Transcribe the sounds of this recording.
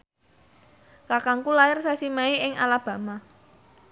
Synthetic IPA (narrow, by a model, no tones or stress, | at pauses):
kakaŋkulaɪrsasimaiʔɪŋa̰lab̥a̤ma